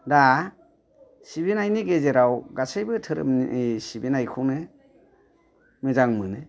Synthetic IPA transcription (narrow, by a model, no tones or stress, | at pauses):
da | sibinajniɡezeɾawɡasejbɯtʰɯɾɯ̰mesibinajkʰunɯ | mɯzaŋmɯnɯ